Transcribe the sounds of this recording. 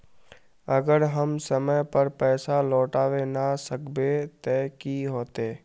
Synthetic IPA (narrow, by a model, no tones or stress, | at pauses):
ɐɡəɾɦəmsəməjpɐɾpɛːsalɔːʈaːwenasəkbet̪ɛːkiɦoːt̪eː